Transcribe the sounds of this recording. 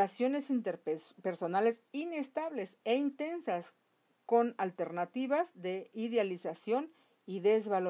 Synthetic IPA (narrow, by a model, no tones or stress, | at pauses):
asjo̞ne̞sint̪eɾpeɾso̞nale̞sine̞st̪aβle̞seint̪e̞nsas | ko̞nalt̪e̞ɾnat̪iβazðe̞iðealisasjo̞n | iðe̞zβal